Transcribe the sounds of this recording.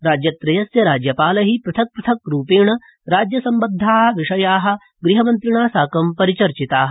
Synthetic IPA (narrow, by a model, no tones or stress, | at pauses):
ɾaːd͡ʒjɐt̪ɾɐjɐsjɐɾaːd͡ʒjɐpaːlɐɦipɾɐt̪ʰɐk̚pɾɐt̪ʰɐk̚ɾuːpeːɳɐ | ɾaːd͡ʒjɐsɐmbɐd̪ʱːaːɦɐʋiʂɐjaːɦɐ̆ | ɡɾiɦɐmɐnt̪ɾiɳaːsaːkɐmpɐɾit͡ʃɐɾt͡ʃit̪aːɦɐ